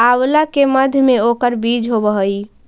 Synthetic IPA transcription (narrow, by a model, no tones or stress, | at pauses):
awlakeməd̪ʱjmeokəɾbid͡ʒɦobəɦəj